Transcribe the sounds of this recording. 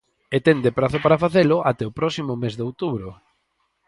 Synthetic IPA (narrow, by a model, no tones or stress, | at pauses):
et̪end̪epɾaθʊpaɾafaθelʊʔat̪ɛopɾɔsimʊmezðeowt̪uβɾo